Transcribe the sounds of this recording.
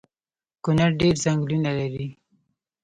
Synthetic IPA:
kʊnaɾɖeɾzaŋɡlunalaɾi

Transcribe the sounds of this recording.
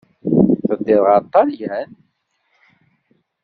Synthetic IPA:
θəd̪ːɪðʁɑt̪ˤːɑljæn

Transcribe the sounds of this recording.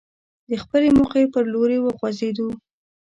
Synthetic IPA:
d̪əxpəlemʊxepəɾloɾewəɣwazed̪u

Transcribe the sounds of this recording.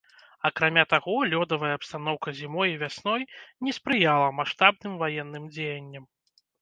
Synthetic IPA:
ɐkɾamʲat̪aɣɔlʲɔd̪ɐvɐjɐːpst̪anɔwkɐzʲimɔjivʲasnɔjnʲɛspɾɨjalˠɐmaʂt̪abnɨmvajɛnːɨmd͡zʲejɐnʲːɐm

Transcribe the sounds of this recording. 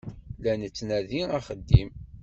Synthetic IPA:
lænət͡sːnæðiaχəd̪ːim

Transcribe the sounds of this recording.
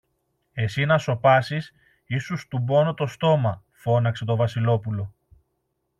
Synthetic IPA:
e̞sinɐso̞pɐsis | isust̪ubo̞no̞t̪o̞st̪o̞mɐ | fo̞nɐkse̞t̪o̞vɐsilo̞pulo̞

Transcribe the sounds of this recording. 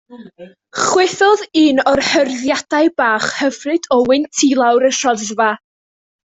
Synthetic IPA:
χwɪθɔðiːnɔrhərðjad̥ajbaːχhəvrɨdɔwɪntʰilˠawɾəʃɔððva

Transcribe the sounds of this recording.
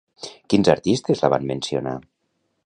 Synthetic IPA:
kinzaɾt̪ist̪ezlaβa̰nmẽnsio̰na̰

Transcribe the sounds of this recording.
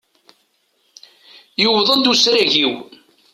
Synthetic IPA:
jʊwðˤənd̪usɾæʝiw

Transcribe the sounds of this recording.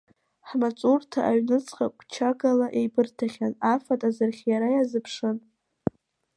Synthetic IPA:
ħmat͡sʼurtʰaʔaɥnɨt͡sʰʼχʼakʷʰʼt͡ʃʰaɡalaʔejbɨrtʰaχʲanafatʼazarχʲjaɾajazɨpʰʂɨn

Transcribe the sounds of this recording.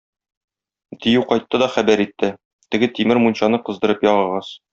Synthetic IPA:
t̪ĭjɘwqɒjt̪ːɤd̪ɒχæbæɾit̪ːɘ | t̪ɘ̆ɡɘt̪imɘɾmunɕɑnɤqɤ̆zd̪ɤ̆ɾɤpjɒʁɤ̆ʁɑs

